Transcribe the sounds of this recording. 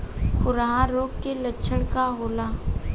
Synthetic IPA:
kʰʊɾaɦãɾoːɡkelətːʃʰəɽkaɦoːlaː

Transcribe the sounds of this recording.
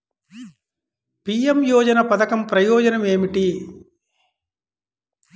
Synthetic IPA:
piemjɔːd͡ʒɐnɐpɐd̪ɐkɐmpɾɐjɔːd͡ʒɐnɐme̞ːmiʈi

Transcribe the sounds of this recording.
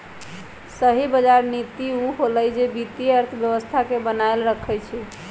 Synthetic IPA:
səɦibəd͡ʒaɾnit̪iuɦoləjd͡ʒebit̪iəɾt̪ʰəbjəβəst̪ʰakebənaelɾəkʰɛjt͡ʃʰɛ

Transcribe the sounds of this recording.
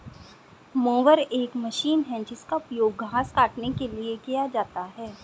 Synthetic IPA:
moːʋəɾeːkmɐʃiːnɦɛd͡ʒɪskapjoːɡːʱaːskaːʈnekeliekijad͡ʒaːt̪aɦɛː

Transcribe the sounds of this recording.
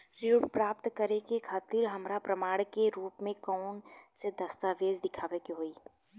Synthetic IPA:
ɾiuʈpɾaːp̚t̪kəɾekekʰaːt̪ɪɾɦɐmɾapɾəmaːɽkeɾuːpmẽkɔʊnsed̪ɐst̪aʋeːd͡ʒd̪ɪkʰaːʋekiɦoːiː

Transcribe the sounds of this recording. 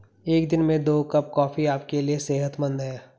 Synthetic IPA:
eːkd̪ɪnmẽd̪oːkɐp̚kɔːfiaːpkelieseːɦət̪mə̃nd̪ɦɛ̃ː

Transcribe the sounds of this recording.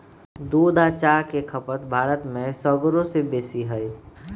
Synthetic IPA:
d̪oːd̪at͡ʃakekʰəpət̪bʱaːɾət̪mẽsɔɡɾõsebeːsiɦəi

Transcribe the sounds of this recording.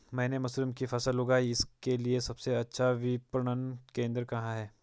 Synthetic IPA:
mɛ̃ːnemʊslɪmkifɐsəlʊɡaːiɪskeliesɐbseɐtːʃʰaʋɪpɾəɳənkẽːnd̪ɾkɐɦãɦɛː

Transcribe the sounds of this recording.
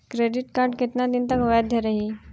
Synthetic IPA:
kɾeɖiʈkaɾɖket̪nad̪int̪akojad̪ʱjaɾaɦi

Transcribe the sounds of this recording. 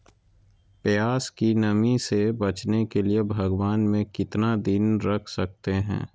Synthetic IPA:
pɪjaːskinɐmisebɐt͡ʃnekeliebʱɐɡwaːnmẽkɪt̪nad̪ɪnɾɐkʰsɐk̚t̪eɦɛ̰̃ː

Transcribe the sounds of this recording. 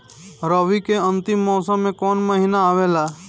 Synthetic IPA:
ɾoːʋikeə̃nt̪ɪmːɔːsə̃mːẽkɔːnməɦinaaːʋeːlaː

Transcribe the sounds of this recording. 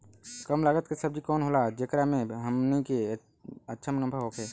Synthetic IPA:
kəmlaːɡət̪kesəb̚d͡ʒikɔːnɦoːlad͡ʒekɾamẽɦəmnike | ətːʃʰəmnəmbʱaɦoːkʰeː

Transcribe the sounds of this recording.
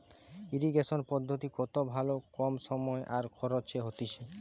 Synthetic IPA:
iɾiɡeʃonpɔd̪ʱːot̪ikɔt̪obʱalokɔmʃɔmɔeʔaɾkʰɔɾot͡ɕʰeɦot̪iʃe

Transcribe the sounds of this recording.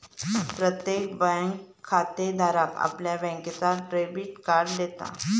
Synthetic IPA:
pɾət̪jekbajŋɡkʰːat̪ed̪ʱaɾaka̰pljabɛ̃ŋkət͡saʈɾebiʈkaɾɖd̪et̪a̰

